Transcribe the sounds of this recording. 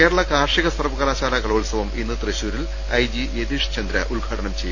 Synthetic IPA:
e̞ːɾɐɭɐkaːrʂiɣɐsɐrʋɐɣɐlaːt͡ɕaːɾaːkɐɭoːɭsɐʋɐminːɨt̪rɨɕuːɾil | ɐjd͡ʑied̪iʂt͡ɕɐnd̪ɾɐ̰ʔulɡʱaːʈɐnɐmt͡ɕejːu

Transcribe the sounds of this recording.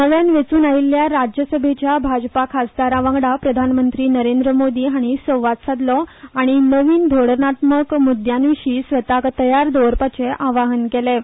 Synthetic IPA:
nəʋjanʋet͡suːnailːjaɾad͡ʑjəsəbʱet͡ɕjabʱad͡ʑpakʰasd̪aɾaʋãŋɡɽapɾəd̪ʱanmənt̪ɾiːnəɾend̪ɾəmod̪iːɦaɽ̃isəwʋat̪sad̪lɔaɽ̃inəʋiːnd̪ʱoɽəɾnaʈ̪məkmud̪ʱjanʋiɕiːsʋət̪akt̪əjaɾd̪oʋɾpat͡ɕeʔaʋaɦənkele

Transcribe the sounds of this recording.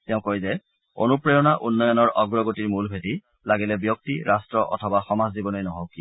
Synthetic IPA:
tɛʊ̃kɔɹizɛ | o̰nupɹɔjɔnaʔunːɔjɔnɔɹʔɔɡɹɔɡotiɹmulbʱeti | laɡilɛbjɔk̚tiɹʔastɹɔʔɔ̰tʰɔbaxɔmazdibɔnojnɔɦɔwki

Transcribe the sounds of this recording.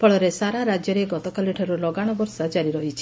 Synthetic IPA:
pɔɭɔɾesaɾaɾad͡ʒjɔɾeɡɔt̪ɔkaleʈʰɔɾulɔɡaɽ̃ɔbɔɾsad͡ʒaɾiɾɔɦit͡ʃʰi̥

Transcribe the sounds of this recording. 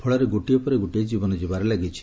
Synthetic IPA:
pʰɔɭɔɾeɡoʈiɔpɔɾeɡoʈiɔd͡ʒibɔnɔd͡ʒibaɾelaɡit͡ʃʰi̥

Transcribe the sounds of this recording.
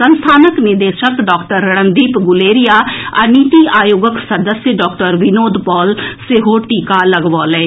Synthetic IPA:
sənst̪ʰaːnəknɪd̪eːʃəkɖɔːkʈəɾːəɳənd̪iːpɡʊleːɾijaːɐniːt̪iːʔaːjoːɡəksəd̪əsjəɖɔːkʈəɾʋɪnoːd̪pɔːlseɦoːʈiːkaːləɡʋɔːlɛː

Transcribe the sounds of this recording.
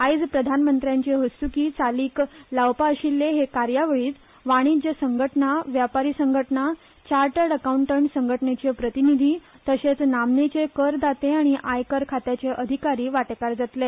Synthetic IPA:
ajd͡zpɾəd̪ʱanmənt̪ɾjãɲt͡ɕeɦəst̪ukiːt͡saliːklaʋpaəɕilːeɦekaɾjaʋəɭiːt͡s̪ | ʋaɽ̃id͡ʑəsəŋɡʱəʈnaʋjapaɾiːsəŋɡʱəʈna | t͡ɕaɾʈəɽəkauɳʈəɳʈsəŋɡʱəʈnet͡ɕepɾət̪inid̪ʱiː | t̪əɕet͡snamnet͡sekəɾd̪at̪eaɽ̃iʔajkəɾkʰat̪jat͡ɕeʔəd̪ʱikaɾiːʋaʈkaɾd͡zat̪le

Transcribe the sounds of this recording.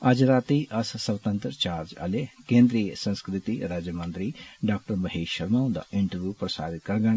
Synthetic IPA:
ɐd͡ʒɾaːt̪iʔɐssɐʋt̪ə̃nt̪ɾt͡ʃaːɾd͡ʒɐ̰lekẽːnd̪ɾijəsɐ̃nskɾɪt̪iɾaːd͡ʒjəmɐ̃nt̪ɾiɖaːk̚ʈəɾbɐɦeːʃɐɾmãːd̪ɐ̰ʔɪɳʈəɾʋjuːpɾɐsa̰ːd̪ɪt̪̚kɐɾɡɐɳ̃

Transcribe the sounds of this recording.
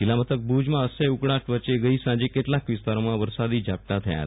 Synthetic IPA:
kilamət̪ək̚bud͡ʑmãəsəukɽaʈʋət͡ɕeɡəiːsãd͡ʑekeʈ̪lakʋist̪aɾmãʋəɾsad̪iːd͡ʑʱap̚ʈat̪ʰja̰ja̰t̪̚

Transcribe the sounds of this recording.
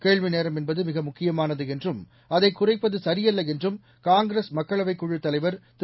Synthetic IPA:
keːɭʋineːɾɐmɛnbɐðɯmɪɣɐmʊkːɪjɐmaːnɐðɯɛndrɯm | ɐðɐɪkːʊrɐɪpːɐðɯsɐɾɪjɐlːɐɛndrɯm | kaːŋɡɾeːsmɐkːɐɭɐʋɐɪkːuɻɯt̪ːɐlɐɪʋɐɾt̪

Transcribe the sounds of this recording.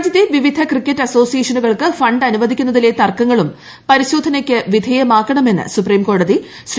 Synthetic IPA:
d͡ʑjɐt̪ːeʋiʋid̪ʱɐkrikʲːɐtːɐso̞ːsijeːʂɐnuɣɐɭkɨfɐɳɖɐnuʋɐd̪ʱikʲːunːɐðilet̪ɐrkːɐŋːɐɭum | pɐɾiɕo̞ːd̪ʱɐnɐkʲːɨʋid̪ʱɐjɐmaːkːɐɳɐme̞nːɨ̰supriːmko̞ːɽɐði | s

